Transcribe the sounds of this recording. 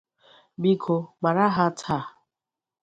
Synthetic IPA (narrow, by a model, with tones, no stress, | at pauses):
bi˦kʰo˨ɡ͡ba˨ɾa˦ɦa˦tʰa˦˨